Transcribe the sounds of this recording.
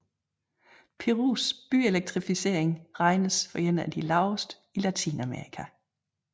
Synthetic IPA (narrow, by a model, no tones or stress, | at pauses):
pʰe̝ʁṵːsb̥ye̝leɡ̥̚t͡sʰʁifise̝ɐ̰eŋʁɑ̈ɪnəsfɒ̽jen̰æd̥ilɑ̈ʊsd̥ | ilæt͡sʰḭːnæme̝ɐʁikʰæ